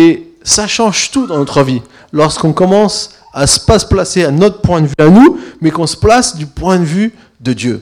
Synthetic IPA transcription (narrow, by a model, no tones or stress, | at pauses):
esaʃɑ̃ʒt̪ud̪ɑ̃nɔt̪χəvi | lɔʁskɔ̃kɔmɑ̃s | asə̥pasə̥plaseanɔt̪χəpwɛ̃d̪əvyanumɛkɔ̃sə̥plasd̪ypwɛ̃d̪əvy | d̪əd̪jø